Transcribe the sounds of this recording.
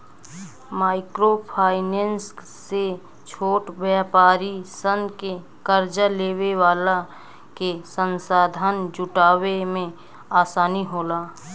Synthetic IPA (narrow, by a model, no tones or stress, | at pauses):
maːɪkɾopʰaːɪneːnsː | e | t͡ʃʰoːʈbjaːpaːɾisənke | kəɾd͡ʒaleːweʋaːla | kesənsaːd̪ʱaːnd͡ʒʊʈaːwemẽ | aːsaːniɦoːlaː